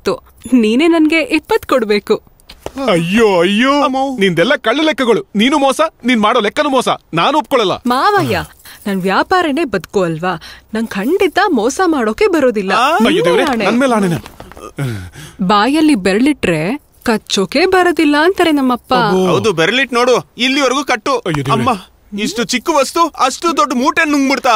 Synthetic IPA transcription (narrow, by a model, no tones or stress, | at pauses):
t̪ːu | niːne̞ːnɐnɡe̞ʔɛpːɐt̪kɔɽbe̞ːku | ɐjːoɐjːoːnind̪ɛlːɐkɐɭːilɛkːɐɡɐɭuniːnumɔːsɐniːnmaːɽoːlɛkːɐnumɔːsɐ̰naːnuop̚kɔɭɛlːɐ̰maːʋaːjaːnɐnʋjaːpaːɾɐne̞ːbɐd̪koːɐlʋaːnɐŋkʰɐɳɖit̪ːɐmɔːsɐmaːɽoːke̞bɐɾo̞ːd̪ilːɐɐjodd̪eːʋɐɾeaːnenɐnmeːlaːɳenɐ | baːjɐlːibeɾɭiʈɾe | kɐt͡ʃːoːke̞ːbɐɾoːd̪ilːɐːnt̪ɐɾenɐmːɐpːaɐwd̪ubeɾliʈnoːɽuilːiʋɐɾɡuːkɐʈːuɐjːod̪eɐmːa | iʂʈut͡ʃikːuʋɐst̪uɐsʈud̪oɖːmuːʈenːuŋɡbiɽt̪aː